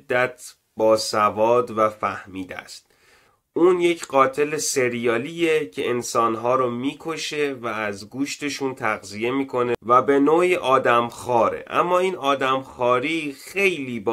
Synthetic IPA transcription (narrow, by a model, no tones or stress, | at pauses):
d̪ːæt̪ʰ | b̥ɒːsævɒːd̪væfæhmiːd̪æ̰st̪̚ | ʔuːnjecʰɢɒːt̪ʰe̞leseɾijɒːliːjecʰe̞ensɒːnɦɒːɾomiːkʰo̞ʃe̞vææzɡuːʃt̪e̞ʃuːnt̪ʰæɣzije̞miːkʰo̞nevæbe̞noːiʔɒːd̪æmxɒːɾe̞̰ʔæ̰mːɒːiːnɒːd̪æmxɒːɾiːxe̞jliːb